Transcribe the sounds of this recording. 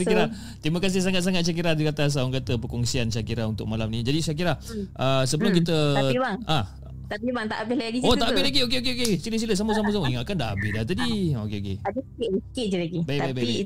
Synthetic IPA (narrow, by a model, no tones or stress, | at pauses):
kiɾa | t̪ɾimakas̬ɪhs̬aŋat̪̚s̬aŋat̪̚ʃiak̬iɾad̪ikat̪as̬aaŋkat̪əpəkɔŋsiant͡ʃakiɾaunt̪ʊ̰k̚malamnĩd͡ʒadisak̬iɾahʔəsəbəlʊmkit̪əibaŋa | t̪apibaŋt̪a̰ʔabɪhlaɡiot̪aʔabɪɦlaɡiok̬eok̬eokesiləs̬iləs̬aməs̬aməs̬aməjaŋakandaɦabɪsdaht̪adiokeokeadəsikɪʔd͡ʒəikɪʔd͡ʒəlaɡibajb̪ajbaj